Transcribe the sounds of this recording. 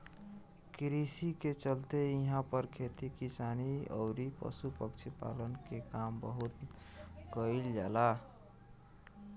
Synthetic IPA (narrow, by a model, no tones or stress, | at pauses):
kɾisiket͡ʃəlt̪eĩɦãpʌɾkʰet̪ikisaniʌ̰ɾipʌ̰supʌkt͡ʃʰipa̰lənkekambəɦut̪ | kəild͡ʒala